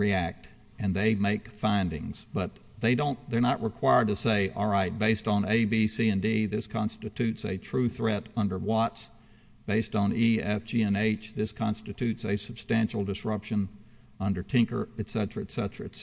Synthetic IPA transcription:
ɹiæk̚t | ɨ̃nðeɪmeɪkfãɪ̃ndɪ̰̃ŋz̥b̥ʌt̪̚ | ðeɪdõʊ̃nðə˞nəʔɹɨkʰw̥aɪə˞d̚tɨseɪʔɔ̰lˠɹaɪt̚b̥eɪstn̩eɪbisiɨ̃ndiðɪskʰɑ̃nstɨtʰʉtsɨ̰tʰɹ̥ʉθɹɛɾʌ̃ndə˞wɑts | b̥eɪstn̩iɛfd͡ʒiɛ̃neɪt͡ʃðɪskʰɑ̃nstɨtʰʉtsɨsəb̥stæ̃nʃl̩ˠdɨsɹʌpʃɨ̃n | ʌ̃ndə˞tʰɪ̃ŋkə̰˞ɨtsɛɾəɹɨtsɛɾəɹɨ̰

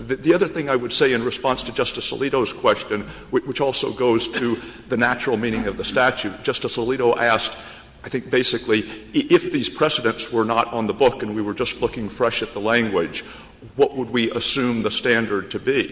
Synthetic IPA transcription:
ððiʌðə˞θɪ̃ŋaɪwɨd̥seɪɨ̃nɹɨspɑ̃nstʰɨd͡ʒʌstɨsə̰liɾoʊz̥kʰw̥ɛst͡ʃɨ̃n | wwət͡ʃɔlˠsoʊɡoʊz̥tʰɨðɨnæt͡ʃɹl̩ˠmĩɾ̃ɪ̃ŋʌvðɨstæt͡ʃʉt̚d̥ʒ̥ʌstəsəliɾoʊʔæsk | aɪθɪ̃ŋk̚b̥eɪsɨkliɪfðiz̥pʰɹ̥ɛsɨɾɨ̃ntswə˞nəɾn̩ðəbʊkɨ̃nwiwə˞d͡ʒʌstˡlʊkɪ̃ŋfɹɛʃɨt̪̚ðəlæ̃ŋɡwɪ̥d͡ʒ | wʌʔwʔəd̚wiʔəsʉ̃mðəstæ̃ndə˞d̚tʰɨbi

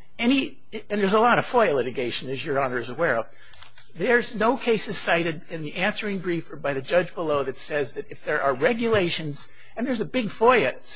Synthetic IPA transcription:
ɛñi | ɨ̃nðə˞zəlɔɾʌ̥fɔɪɨlɪɾɨɡeɪʃɨ̃nɨzjə˞ɑnə˞ɨzəwɛɹʌv | ðə˞znoʊkʰeɪsɨz̥saɪɾɨɾɪ̃nðiʔæ̃nsə˞ɪ̃ŋbɹifbaɪðɨd͡ʒʌd͡ʒbəloʊðɨtsɛzðɨɾɨfðə˞ʔə˞ɹɛɡjɨleɪʃɨ̃nz̥ | ɨ̃nðə˞zɨbɪɡfɔɪɨ

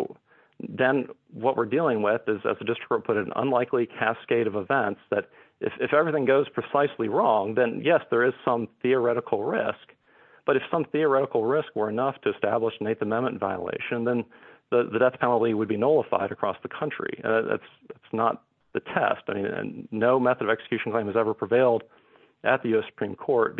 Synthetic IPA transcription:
ðɨ̃nwʌʔ̚wɪɹdilˠɪ̃ŋwɪðɪzɨ̰zðɨdɪstɹ̥kəpʰʊɾɨ̃nə̰̃nlaɪkʰlikʰæskeɪɾʌvəvɛ̃nsðɨɾ | ʔɨ̰fɪfɛvɹiθɪ̃ŋɡoʊz̥pʰɹ̥ɨsaɪsliɹɔ̃ŋðɨ̃njɛsðə˞ɨz̥sʌ̃mθiə˞ɛɾəkʰl̩ˠɹɪ̰sk | b̥ʌɾɨfsʌ̃mθiə˞ɛɾəkl̩ˠɹɪskwə˞ɨnʌftʰɨɨstæbləʃneɪðɨmɛ̃mɨ̃ntva̰ɪə̰lḛɪʃɨ̃nðɨ̃nðɨðɨdɛθpʰɛ̃nl̩ˠtiwəd̚binoʊlˠəfa̰ɪɾɨkʰɹ̥ɔsðɨkʰʌ̃nt͡ʃɹ̥ḭɨ̰̃nðæ̰ts | ðætsnə̰t̪̚ | ðɨtʰɛ̰staɪmĩnɨ̰̃ːoʊmɛθəɾʌvɛksɨ̥kʰj̥ʉʃn̩kʰl̥ẽɪ̃mɨzɛvə˞pʰɹ̥ɨveɪlˠd | ʔɨt̪̚ðɨjʉɛsə̥pʰɹ̥ĩmkʰɔɹt̚

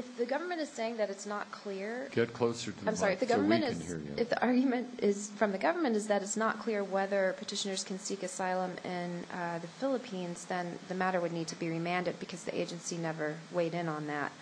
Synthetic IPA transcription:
ɨfðɨɡʌvə˞mɨ̃ñtɨz̥seɪɪ̃ŋðɨɾɨtsnət̚kʰl̥ɪɹɡ̥ɛt̚kʰl̥oʊsə˞ɾɨãɪmsɑɹiɨðɨɡʌvə˞mɨ̃nɨz̰ɨfðiʔɑɹɡjmɨ̃ntɪz̥fɹʌ̃mðɨɡʌvə˞mɨ̃ntɨzðɨɾɨtsnət̚kʰl̥ɪɹwɛðə˞pʰə˞tʰɪʃɨnə˞z̥kʰɨ̃n̩sikɨsaɪlˠə̃mɪ̃nðɨfɪlˠəpʰĩnzðɨ̃nðɨmæɾə˞wɨdⁿnid̚tʰɨbiɹimæ̃ndɨd̚bɨkʰʌzðḭʔḛɪd͡ʒɨ̃nsinɛvə˞weɪɾɪ̃nə̃nðæ̰t̚

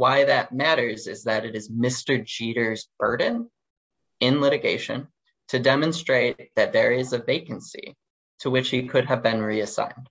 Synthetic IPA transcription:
waɪðɨt̚mæɾə˞zɨzðɨɾɨɾɨzmɪstə˞d͡ʒiɾə˞zb̥ɜ˞dⁿn̩ | ɪ̃nlɪɾɨɡeɪʃɨ̰̃n | tʰɨdɛmɨ̃nstɹ̥eɪt̪̚ðɨt̪̚ðə˞ɪzɨveɪkɨ̃n̩sḭ | tʰəwɨt͡ʃhikʰʊɾɨvbɨ̃nɹiɨsã̰ɪ̃nd̥

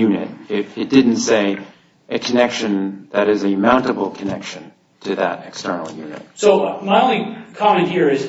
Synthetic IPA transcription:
jʉnɨ̰t̚ɪɾɨt̚d̥ɪdⁿn̩tseɪ | ʔɨkʰɨnɛkʃɨ̃nðɨɾɨzɨmãʊ̃ntɨbl̩ˠkʰɨnɛkʃɨ̃n | tʰɨðə̰ɾɨkstɜ̰˞nl̩ˠjʉnɨ̰t̚soʊmaɪõʊ̃nlikʰɑmɛ̃nt̚hiɹɪz

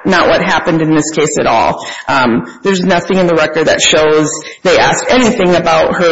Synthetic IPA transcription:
nəʔwʔʌt̚ɦæpɨ̃ndɨ̃nðɪskʰeɪsɨ̰ɾɔ̰lˠʔʌ̃mðə˞znʌθɪ̃ŋɨ̃nðəɹɛkə˞d̪̚ðɨ̰tʃoʊzðeɪæsk̚tɛniθɪ̃ŋɨbaʊt̚hə˞

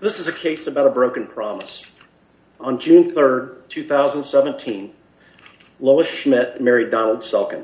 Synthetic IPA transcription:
ðɪsəzɨkʰeɪsəbaʊɾəbɹoʊkɨ̃n̩pʰɹ̥ɑmə̰s | n̩d͡ʒʉ̃nθɜ˞d̚tʰʉθaʊzə̃n̩dsɛvɨ̃ntʰĩn | loʊəsʃmɪt̚mɛɹidɑnl̩ˠd̥sɛlˠkɨ̃n

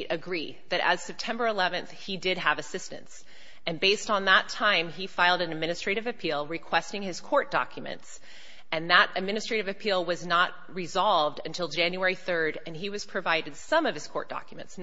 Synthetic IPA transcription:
ʔɨɡɹi | ðɨɾɨ̰z̥sɛp̚tʰɛ̃mbə˞əlɛvɨ̃nθhidɪd̚əvɨsɪstɨ̰̃nts | ɨ̃nbeɪstn̩ðətʰãɪ̃mifaɪlˠdɨ̃nɨd̚mɪ̃ñɨstɹ̥eɪɾɨvɨpʰilˠɹɨkʰw̥ɛstɪ̃ŋɨz̥kʰɔɹt̚d̥ɑ̰kʰjɨmɨ̰̃nts | ɨ̃nðəɾɨd̚mɪ̃ñɨstɹ̥eɪɾɨvɨpʰilˠwʌznət̚ɹɨzɑlˠvdɨ̰̃ntʰɪlˠd͡ʒæ̃njuɛɹiθɜ˞ɾɨ̃niwʌz̥pʰɹ̥ɨvaɪɾɨd̥sʌ̃mʌv̥ɨz̥kʰɔ̰ɹt̚d̥ɑ̰kjmɨ̰̃nts

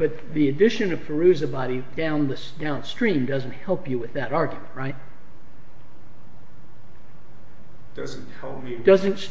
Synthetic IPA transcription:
b̥ʌt̪̚ðiɨdɪʃɨ̃nʌv̥fə˞ʉzɨbɑɾidãʊ̃nðɨsd̥ãʊ̃nstɹ̥ĩmdʌzɨ̃n̩t̚hɛlˠpjɨwɨðɨɾɑɹɡjɨmɨ̃nʔ̚ɹaɪt̚ | d̥ʌz̃n̩thɛlˠp̚mid̥ʌzɨ̃nts

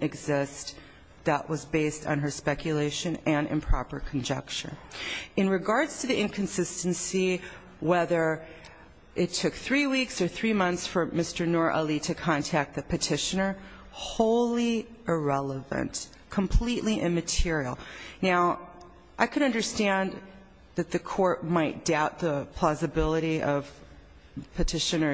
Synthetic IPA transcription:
ɨɡzɪs | ðəʔwʌzbeɪstn̩ə˞spɛkʰjɨleɪʃɨ̃nɨ̃nɨ̰̃npʰɹ̥ɑ̰pə̰˞kʰn̩d͡ʒɛk̚t͡ʃə̰˞ɨ̃nɹɨɡɑɹdz̥tʰɨðiʔɪ̃nkʰɨ̃nsɪstɨ̃n̩si | wɛðə˞ | ʔɪtʰʊkθɹiwiksə˞θɹimʌ̃nθsfə˞mɪstə˞nɔɹʔɛlˠiɾɨkʰɑ̃ntʰæk̚t̪̚ðɨpʰɨtʰɪʃɨ̃nə˞ | hoʊlˠiəɹɛlˠəvɨ̰̃nt | kʰə̃mpʰl̥iʔliʔɪ̃nmɨtʰɪɹil̩ˠnaʊ | ʔaɪkʰɨɾʌ̃ndə˞stæ̃n | ðɨt̪̚ðɨkʰɔɹt̚maɪt̚d̥aʊt̪̚ðəpʰl̥ɑzɨbɪlˠəɾiʌv̥ | pʰɨtʰɪʃɨ̃nə˞

